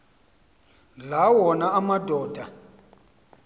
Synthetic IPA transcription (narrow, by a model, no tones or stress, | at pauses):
lawɔnaamadʱɔːdʱa